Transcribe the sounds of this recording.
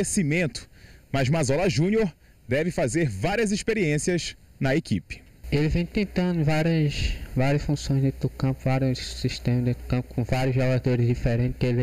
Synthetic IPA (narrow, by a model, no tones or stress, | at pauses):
esimẽnt̪ʊ̥mɐzmazɔlɐʒũnioɾ | d̪ɛvɪfazeɾvaɾiɐziʃpeɾiẽsiɐz | nɐekḭpɪ̥ | elɪvẽj̃t̪ẽnt̪ɐ̃nd̪ʊvaɾjɐsvaɾiɐsfũsõj̃zd̪ẽt̪d̪ʊkɐ̃pʊvaɾsiʃt̪ẽmɐd̪eʊ̥kɐ̃pʊ̥kõvaɾjʊzʒɔɡad̪oɾɪzdifɛɾẽnt̪kel